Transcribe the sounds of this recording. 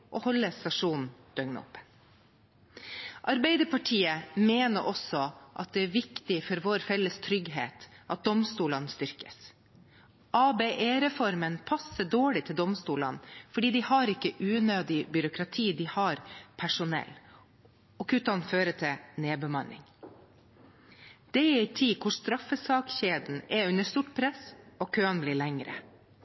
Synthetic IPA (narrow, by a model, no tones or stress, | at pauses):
ʔɔhɔlːəsɑʂuːnn̩d̪̥œŋnə̰ɔ̰pːə | ʔɑɾbæɪd̪əpʰɑʈʰiːəmeːnəɾʔɔsɔʔɑ̰t̪̚d̪ɛæɾʋɪkt̪ɪfɔɾʋoːɾfɛlːəst̪ʰɾʏɡɦḛːt̪ʔɑt̪̚d̪ɔmst̪uːlənst̪ʏɾkə̥s | ʔɑːbeʔeːɾɛfɔɾmənpʰɑsəɖoːɭɪt̪ʰɪld̪ɔmst̪uːlənfɔɖiːd̪ɪhɑɾɪkːəʔʉːnøːd̪ɪbʏɾʊkʰɾɑt̪ʰiːd̪ɪhɑɾpʰæʂʊnɛ̰l | ɔkʉːt̪ɑnføːɾət̪ʰɛneːbəmɑnɪ̰ŋ | d̪̥ɛɛɪt̪ʰiːkʰʊʂst̪ɾɑfəsɑːkçeːd̪n̩ɛʉnəst̪uʈpʰɾɛsɔkʰøːɑnbliːɭɛŋɾə̰